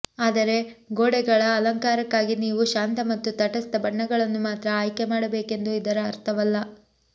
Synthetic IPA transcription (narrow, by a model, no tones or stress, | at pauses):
aːd̪ɐɾe̞ɡoːɽɛɡɐɭɐːlɐŋkaːɾɐkːaːɡiniːʋuʃaːnt̪ɐmɐt̪ːut̪ɐʈɐst̪ɐbɐɳːɐɡɐɭɐnːumaːt̪ɾɐaːjkemaːɽɐbe̞ːke̞nd̪uid̪ɐɾɐːɾt̪ʰɐʋɐlːɐ